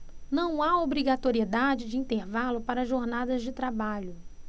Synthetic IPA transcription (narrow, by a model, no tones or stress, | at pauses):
nɐ̃w̃aobɾiɡat̪oɾied̪ad͡ʒɪd͡ʒɪĩnt̪eɾvalʊpaɾɐʒoɾnad̪ɐzd͡ʒɪt̪ɾabaʎʊ